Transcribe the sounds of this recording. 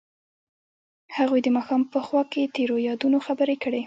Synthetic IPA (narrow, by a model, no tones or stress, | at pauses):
haɣujd̪əmɑxɑmpəxwɑket̪eɾojɑd̪unoxabəɾekəɽe